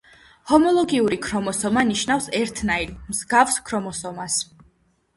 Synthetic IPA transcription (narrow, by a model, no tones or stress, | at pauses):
hɔmɔlˠɔɡiuɾikʰɾɔmɔsɔmaniʃnafsɛɾt̪ʰnailmz̥ɡafskʰɾɔmɔsɔmas